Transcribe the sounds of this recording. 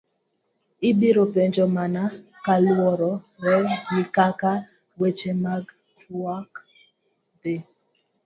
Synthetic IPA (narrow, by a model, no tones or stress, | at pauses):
ɪbiɾopeɲd͡ʒɔmana | kalwɔɾɔ | ɾɛɡɪkaka | wet͡ʃemaɡ | twak | dɪ